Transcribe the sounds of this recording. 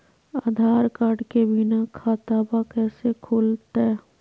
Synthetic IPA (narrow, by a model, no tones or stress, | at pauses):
aːd̪ʱaːɾkaːɖkebinakʰaːt̪abakɛːsekʰoːlt̪ɛ